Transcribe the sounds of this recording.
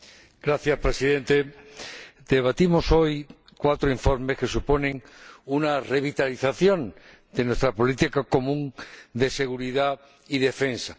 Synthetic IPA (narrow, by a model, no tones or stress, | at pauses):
ɡ̥ɾaθjaspɾe̞siðe̞nt̪e̞ | d̪e̞β̞at̪imo̞so̞j | kwat̪ɾoiɱfo̞ɾmeske̞supo̞nẽ̞ŋunare̞β̞it̪aliθaθjõ̞n | d̪enwe̞st̪ɾapo̞lit̪ikako̞mũŋd̪e̞se̞ɣ̞uɾiða | iðe̞fe̞nsa